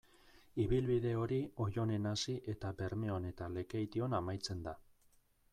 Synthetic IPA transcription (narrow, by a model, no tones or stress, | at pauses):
iβilβiðe̞o̞ɾio̞jo̞ne̞nasiʔe̞t̪abe̞ɾme̞o̞ne̞t̪ale̞kejt̪io̞namajt͡se̞nd̪a